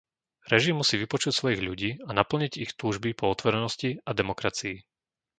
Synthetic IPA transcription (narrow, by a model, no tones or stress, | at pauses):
ɾɛʒimːusiːʋipɔt͡ʃucsʋɔjiɣʎuɟiːanapl̩ɲiɟixt̪uːʒbipɔɔt̪ʋɔɾɛnɔsciad̪ɛmɔkɾat͡sii